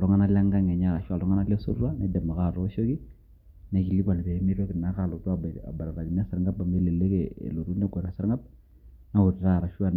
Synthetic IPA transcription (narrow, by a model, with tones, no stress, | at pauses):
lɔ˦ŋa˦na˦la˦ŋɡa˦ŋɛ˨ɲa˦ɾa˨ʃu˦a˨lɔ˦ŋa˦na˦la˦so̰˦rwa˦nɛ˨˦dɛ˨ma˨ka˦˨ɾɔ˦ʃo˦ki˦ | nɛ˨ki˨li˦kwa˨lbɛ˨˦mi˦ɾa˦kɪ˨nːa˦ɾa˦˨lo˨ta˦˨a̰˨ba˨ɾa˨ɾa˨li˨m˦a˦sa˨ɾŋɡa˦ba˨me˦le˨le˦kɛ̰˨lo˨ɾu˦nɛ˦ɡo˨na˨sa˦ɾŋa˦b̚ | na˦o˨ɾɾa˦˨ɾa˨ʃu˦a˦˨n